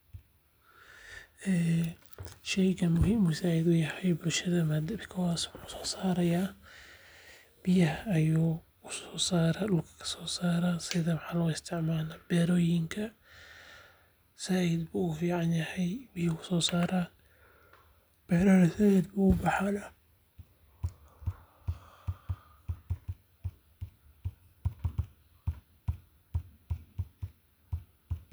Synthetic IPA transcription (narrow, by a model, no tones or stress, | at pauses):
ɛː | ʃɛjkɐmʊɦiːmʊsaːɪd̪ʊjɐhɛjbʊlʃɐðɐmɐd̪ɐbkʰɔwaːswʊħusɔ̥ːsaːɾɐjaː | b̥ɪjɐɦɐɐjuː | ʊsɔ̥ːsaːɾaɗʊlkʰɐ̥kʰɐ̥sɔːsaːɾasɪðɐwɑħɑːlɔɪst̪ʰɪʕmaːlabɛːɾɔːjɪŋkʰɐ | sɐid̪buʊfiːʕɑnjɐhɛjmɪjkʰʊsɔːsaːɾaːn | b̥ɛːɾɔːɾɐsɐid̪buːʊbɑħalɐ